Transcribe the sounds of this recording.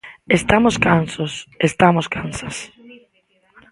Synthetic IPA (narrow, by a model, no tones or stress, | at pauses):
est̪amʊskansosest̪amoskansas